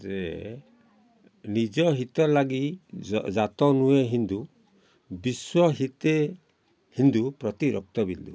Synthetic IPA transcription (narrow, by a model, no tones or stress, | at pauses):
d͡ʒe | nid͡ʒɔɦit̪ɔɾlaɡid͡ʒat̪ɔnueɦind̪u | biswɔɦit̪e | hind̪upɾɔt̪iɾɔk̚t̪ɔbinld̪ṵ